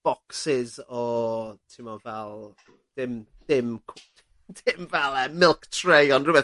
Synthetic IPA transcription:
b̥ɔksɪzɔtʰimɔvɛlˠ | d̥ɪm | d̥ɪmkʰ | dɪmvɛlˠɛmɪlˠktʰrejɔnrʊbɛ

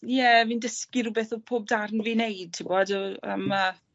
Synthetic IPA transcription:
jɛvindəskɪɾubɛθɔpʰoːb̚darnviːnejd̚tʰɪbɔdəə̰mə

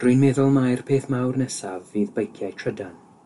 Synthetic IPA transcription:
d̥rʊɨnmɛðʊlˠmajrpʰeːθmawrnɛsavːiːðbəjkʰjajtʰrədan

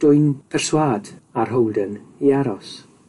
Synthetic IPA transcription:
d̥ʊɨnpʰɛr̥swaːd̥arɦowdəniaɾɔs

